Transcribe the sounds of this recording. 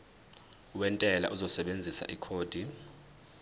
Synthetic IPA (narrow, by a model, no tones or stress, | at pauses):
uwɛntʼɛla̰ʔuzɔsɛɓend͡zʱisa̰ʔikʰoːd̥ʱi